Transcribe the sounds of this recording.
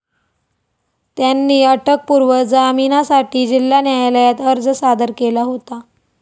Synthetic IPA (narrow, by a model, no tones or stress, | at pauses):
t̪janːiːəʈək̚puɾʋəd͡zaminasaʈiːd͡ʑilːanjajləjat̪əɾd͡zəsad̪əɾkelaɦot̪a